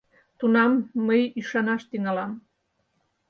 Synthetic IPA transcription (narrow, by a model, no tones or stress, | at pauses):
t̪unɑmːəjiʃɑnɑʃt̪iŋɑlɑm